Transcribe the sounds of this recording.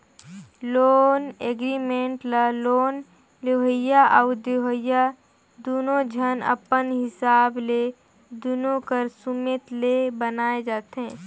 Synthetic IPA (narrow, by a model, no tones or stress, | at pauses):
loːneɡɾimẽːɳʈlaloːn | leɦəjaʔaʊd̪eɦəja | d̪uːnõd͡ʒʱənə̰pənɦɪsaːble | d̪unõkəɾsumeːt̪lebənaːed͡ʒaːt̪eɦɛ̃ː